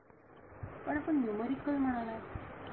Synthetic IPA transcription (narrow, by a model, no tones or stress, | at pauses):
pəɽapəɳjuməɾikːəlm̤əɽ̃ala